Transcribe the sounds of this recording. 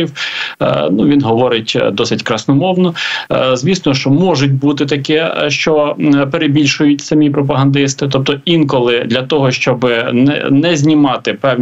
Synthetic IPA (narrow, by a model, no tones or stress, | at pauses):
iw | nuʋʲinɦɔʋɔɾɪtʲd̪ɔsɪtʲkɾɐsnɔmɔwnɔzʲʋʲisnɔʃt͡ʃɔmɔʒʊt̬̚ʲbut̪ɪt̪ɐkɛʃt͡ʃɔpeɾebʲilʲʃʊjʊtʲsɐmʲipɾɔp̬ɐɦɐnd̪ɪst̪ɪt̪ɔp̚t̪ɔinkɔlˠɪd̪lʲɐt̪ɔɦɔʃt͡ʃɔbɪnɛ̰nɛzʲnʲimɑt̪ɪpɛwnʲ